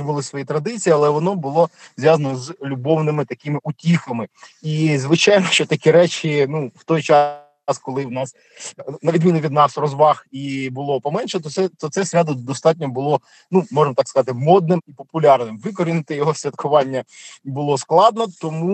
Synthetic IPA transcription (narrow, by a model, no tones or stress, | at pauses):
bʊlˠɪsʋɔjit̪ɾɐd̪ɪt͡sʲijiɐlˠɛʋɔnɔbʊlˠɔzʲʋjazɐnɔzlʲubɔwnɪmɪt̪ɐkɪmɪʔutʲixɐmɪizʋɪt͡ʃɑjnɔʃt͡ʃɔt̪ɐkʲiɾɛt͡ʃinuwt̪ɔjt͡ʃɑ | skɔlˠɪwnɑs | nɐʋʲid̪ʲmʲinʊʋʲid̪nɑsrɔzʋɑxibʊlˠɔpɔmɛnʃɛt̪ɔt̪sɛt̪ɔt̪sɛsʲɾʲad̪ʊd̪ɔst̪ɑtʲnʲɔbʊlˠɔ | numɔʒeɪmɔt̪ɑkskɐzɑt̪ɪmɔd̪nɪmipɔpʊlʲɑrnɪmʋɪkɔɾʲinɪt̪ɪjɔɦɔsʲʋʲɐt̪kʰʊʋɑnʲːɐbʊlˠɔsklˠɑd̪̚nɔt̪ɔmu